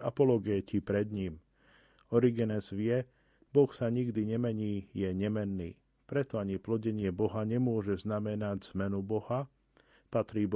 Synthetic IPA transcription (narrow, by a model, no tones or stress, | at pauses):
a̰pɔlɔɡɛcipɾɛd̪ɲim | ɔɾiɡɛnɛzʋɪɛ | bɔxsaɲiɡd̪iɲɛmɛɲiːjɛɲɛmɛnːḭː | pɾɛt̪ɔaɲiplɔɟɛɲɪɛbɔɦaɲɛmʊɔʒɛznamɛnaɟz̥mɛnubɔɦa | pat̪ɾiːb